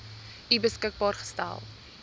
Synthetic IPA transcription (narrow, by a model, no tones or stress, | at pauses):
ibəskək̚bɑːrχə̥stæ̰lˠ